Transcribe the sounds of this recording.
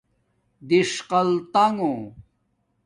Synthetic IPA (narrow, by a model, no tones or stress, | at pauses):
d̪iʂqɐlt̪aŋõ